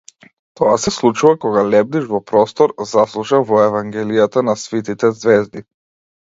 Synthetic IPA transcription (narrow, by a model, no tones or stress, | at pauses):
t̪ɔasɛslˠut͡ʃuvakɔɡalɛb̚d̪iʒvɔpɾɔst̪ɔɾzaslˠuʃavɔɛvaŋɡɛlijat̪anasvit̪it̪ɛzvɛzd̪i